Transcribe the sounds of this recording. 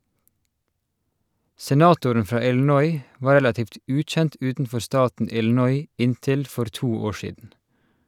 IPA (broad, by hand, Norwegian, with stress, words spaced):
sɛˈnɑːtʊɾən ˈfɹɑː ɪln̩ˈɔʏ ˈʋɑːɹ ˈɹɛlɑtiːft ˈʉːˌc͡çɛnt ˈʉːtn̩ˌfɔɾ ˈstɑːtn̩ ˈɪln̩ɔʏ ˈɪnˌtɪl ˈfɔɾ ˈtuː ˈoːɹ ˈʃiːdn̩